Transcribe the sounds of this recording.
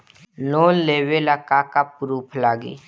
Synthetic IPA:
loːlːeːwelakakapɾuːpʰlaːɡḛː

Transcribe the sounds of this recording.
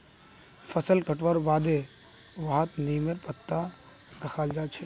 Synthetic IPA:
fʰəsəlkəʈʋəɾʋaːd̪e | ʋaːɦət̪niːmeɾpət̪ːaɾəkʰaːld͡ʒaːt͡ʃʰe

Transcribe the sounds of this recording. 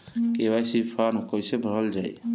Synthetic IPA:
kebajsipʰaɾnkəjsebʱəɾəld͡ʒaj

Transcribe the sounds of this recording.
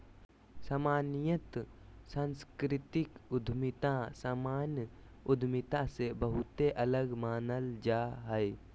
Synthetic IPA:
saːmaːnijət̪sãːnskɾɪt̪ɪkʊd̪ʱmɪt̪ãsaːmaːn | ʊd̪ʱmɪt̪asebəɦʊt̪ːeʔɐləɡmaːnəld͡ʒaːɦɛ

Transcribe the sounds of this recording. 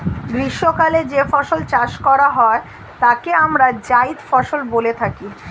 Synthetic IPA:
ɡɾiʃːokaled͡ʑefɔʃolt͡ɕaʃkɔɾaɦɔe | t̪akeamɾad͡ʑajt̪fɔʃolbolet̪ʰaki

